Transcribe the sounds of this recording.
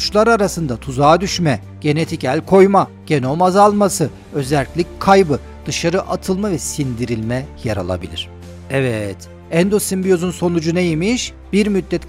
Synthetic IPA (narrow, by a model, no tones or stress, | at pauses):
t͡ʃlˠaɾaɾasɯnd̪at̪ʰuzaːd̪yʃmɛ | ɟ̥e̞ne̞t̪ʰicælʲkʰo̞jma | ɟ̥e̞no̞mazalˠmasɯ | ø̞zælʲcʲlʲickʰajbɯ | d̪̥ɯʃaɾɯʔat̪ʰɯlˠmavɛsind̪iɾilʲmɛjaɾa̰lˠa̰bḭlʲḭɾ̝̥ | ɛvɛt̪ | ɛnd̪osimbijozunso̞nud͡ʒunejimiʃ | b̥iɾmyd̪ːɛt̪